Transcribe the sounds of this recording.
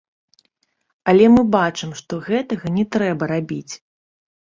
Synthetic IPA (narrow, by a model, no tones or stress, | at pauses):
ɐlʲɛmɨbat͡ʂɨmʂt̪ɔɣɛt̪ɐɣɐnʲɛt̪ɾɛbɐɾabʲit͡sʲ